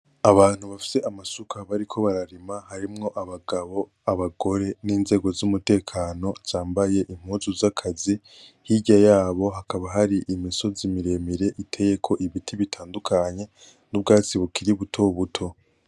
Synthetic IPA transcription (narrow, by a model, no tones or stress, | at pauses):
aβaːn̥huβafi̥se̞ʔamasukʰaβaɾikʰo̞βaɾaɾimahaɾimŋo̞ʔaβaɡaβo̞ | aβaɡo̞ɾe̞niːnze̞ːɡo̞zumute̞ːkʰaːno̞z̥aːmbaje̞ʔim̥huːzuzakʰazi | hiɟajaːβo̞ɦakaβaɦaɾiʔimiso̞zimiɾe̞miɾe̞ʔitʰe̞je̞kʰo̞ʔiβitʰiβitʰaːndukʰaɲe̞ | nub̚ɡaːt͡siβukiɾiβutʰo̞βutʰo̞